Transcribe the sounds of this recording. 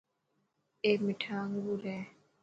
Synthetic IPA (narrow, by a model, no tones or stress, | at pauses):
emiʈʰaŋɡuɾɛ